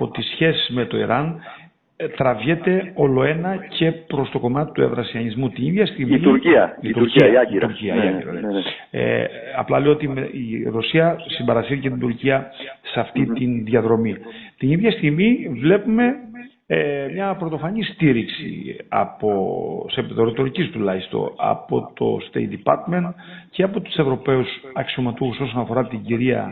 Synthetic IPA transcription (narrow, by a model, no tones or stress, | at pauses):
o̞t̪isçe̞sizme̞t̪o̞ḭɾɐn | t̪ɾɐvʝet̪e̞o̞lo̞e̞nɐcʰe̞pɾo̞st̪o̞ko̞mɐt̪i̥t̪ue̞̰vɾɐsiɐɲizmut̪iniðʝɐst̪iɣmiiuɾiɐit̪uɾciɾuɾciɐiḭɾɐ̰ḛḛ | ɐ̰plɐlejoo̞t̪imeiɾo̞siɐsimbɐɾɐsiɾicet̪ind̪uɾciɐseɐft̪it̪inðʝɐðɾo̞mit̪iniðʝɐst̪iɣmivle̞pume̞ | emɲɐpɾo̞t̪o̞fɐɲist̪iɾiksḭɐ̰po̞sepiðo̞ɾit̪oɾicist̪ulɐçist̪o̞̰ɐ̰po̞̰t̪o̞̰st̪ḛjt̪̚d̪ipɐɾt̪me̞nt̪ceɐpo̞t̪u̥se̞vɾo̞pe̞usɐksio̞mɐt̪uxuso̞sonɐfo̞ɾɐt̪iɲɟiɾiɐ̰